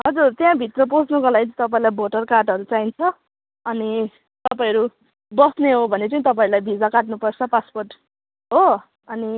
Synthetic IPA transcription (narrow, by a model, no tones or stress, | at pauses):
ɦʌd͡zurt̪jãbʱit̪rʌp̬od͡znukolaɡit͡st̪ʌp̬aĩlajbʱoʈʌrkarʈʌɾut͡saint͡sʰʌ | ʌni | t̪ʌpaĩʌɾu | bʌsneɦobʱʌnet͡sʌĩt̪ʌpãĩɾulajbʱid͡zakaʈnupʌrt͡sʰʌpasporʈ | ɦo | ʌni